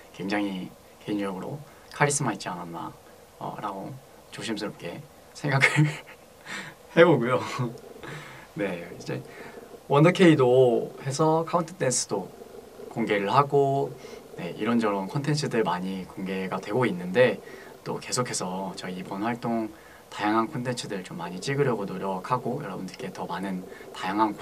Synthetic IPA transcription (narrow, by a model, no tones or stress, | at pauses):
kwe̞ŋd͡ʑaŋɦi | keiɲd͡ʑʌɡɯɾo̰ | kʰaɾis͈ɯmɦait̚t͡ɕ͈iananːa̰ | ʌ̰ɾaɡo | t͡ɕoɕʰimsʰɯɾop̚k͈e̞ | sʰe̞ŋɡakʰɯɭ | he̞boɡujo | ne̞id͡ʑe̞̰wʌndɯkʰe̞idohe̞sʰʌkʰauntʰɯ̥t͈ʰe̞ns͈ʰɯ̥do | koŋɡe̞ɾɯɭhaɡone̞̰ḭɾʌnd͡ʑʌɾʌnkʰʌntʰe̞nt͡ɕʰɯdɯɭmaɲikoŋɡe̞ɡadwe̞ɡoinːɯnde̞ | t͈o̰ke̞sʰokʰe̞sʰʌt͡ɕʌiibʌnwaɭt͈oŋ | tajaŋɦankʰʌntʰe̞nt͡ɕʰɯdɯɭt͡ɕomːaɲit͡ɕ͈iɡɯɾjʌɡonoɾjʌkʰaɡojʌɾʌbɯndɯɭk͈e̞tʌmanɯntajaŋɦank